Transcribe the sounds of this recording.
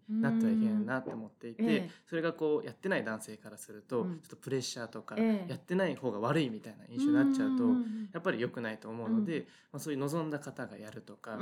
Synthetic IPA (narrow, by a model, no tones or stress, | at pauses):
nat̪aiɦẽnːat̪ːe̞omo̞t̪ːe̞it̪e̞so̞ɾe̞ɡako̞ːjʔat̪ːe̞naid̪ãɰ̃se̞ːkaɾasɨɾɯ̟t̪o̞t͡ɕo̞̥t̪ːopɯ̟ɾe̞ɕːaːt̪o̞kajat̪ːe̞naiho̞ːɡaβ̞aɾɯ̟imʲit̪aina̰ʔĩɰ̃ɕonatːt͡ɕaɯt̪o̞japːaɾʲijokɯ̟nait̪o̞ːmo̞ɯ̟no̞d̪e̞ | masoːjɯ̟no̞zõ̞nd̪akat̪aɡa̰jaɾɯ̟t̪o̞ka